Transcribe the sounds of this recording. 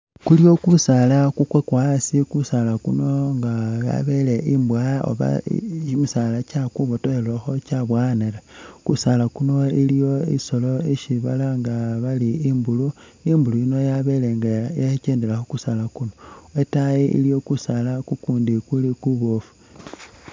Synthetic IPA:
kulijo̞kusalakukwekwasikusalakuno̞ŋɡaja̰βe̞leʔimbwajo̰βa̰imusalacakuβotoeloxo̞caβwanelekusalakuno̞ilijo̞iso̞lo̞iʃiβa̰laŋɡaβaliimbulu | imbuluino̞jaβeleɡjaceːndelaxukusalakunoetajiʔḭlijo̞kusalakukuːndikulikuβofu̥

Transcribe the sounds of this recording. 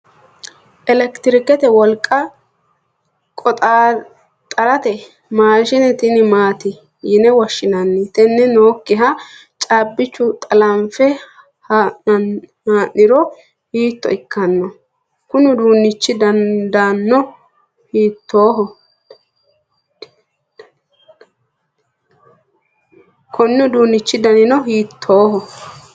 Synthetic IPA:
ʔɛlɛkt̪ɪɾɪkɛt̪ɛwɔlkʼːɐ | kʼɔt̪ʼa | t̪ʼɐɾɐt̪ɛ | maːʃɪnɛt̪ɪnɪmaːt̪ɪ | jɪnɛwɔʃːɪnɐnːɪt̪ɛnːɛnoːkːɪɦɐ | t͡ʃʼaːbːɪt͡ʃːʊt̪ʼɐlɐmfɛ | haɐnhaːnːɪɾɔ | hiːt̪ːɔ̰ɪkːɐnːɔ | kʊnʊd̪uːnːɪt͡ʃːɪd̪ɐnd̪ɐnːɔ | hiːt̪ʰːoːɦɔ | kʰɔnːʊd̪uːnːɪt͡ʃːɪd̪ɐnɪnɔɦiːt̪ʰːo̞ːɦɔ

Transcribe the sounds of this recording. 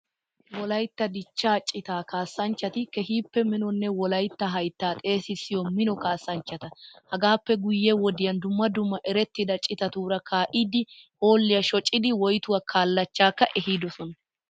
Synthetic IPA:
wɔlɐjt̪ːɐd̪ɪt͡ʃːaːt͡ʃʼɪt̪aːkaːsːɐnt͡ʃːɐt̪ɪkɛɦiːpːɛmɪnɔnːɛwɔlɐjt̪ːɐɦɐjt̪ːaːt̪ʼe̞ːsɪsɪjɔmɪnɔkaːsːɐnt͡ʃːɐt̪ɐhɐɡaːpːɛɡʊjːɛwɔd̪ɪjɐnd̪ʊmːɐd̪ʊmːɐʔɛɾɛt̪ːɪd̪ɐt͡ʃʼɪt̪ɐt̪uːɾɐkʰaːʔiːd̪ɪho̞ːlːɪjɐʃɔt͡ʃʼːɪd̪ɪwɔjt̪ʊwakʰaːlːɐt͡ʃːaːkːɐʔɛɦiːd̪ɔsɔnɐ

